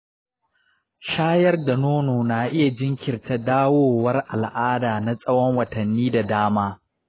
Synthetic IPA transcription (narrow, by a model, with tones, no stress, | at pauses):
ʃaː˦jɐ˦rda˨noː˦noː˨na˨ʔɪ˦ja˨d͡ʒɪ˦ŋkʲɪ˨rta˦daː˦woː˦wɐ˦rʔa˨lʔaː˦daː˨na˦sʼɐ˦wɔ˦ŋwɐ˨tɐ˨nːiː˦da˨daː˦maː˦